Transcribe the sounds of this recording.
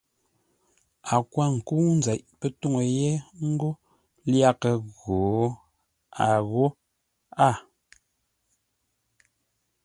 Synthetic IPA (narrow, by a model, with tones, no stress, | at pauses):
a˨kwa˦˨ŋ̩˨ku˦n˦zɛ˨ʔpə˦tu˦ŋə˨je˦ŋ̩˦ɡo˦ | lja˦kə˨ɣo˨ | a˨ɣo˦ | a˦˨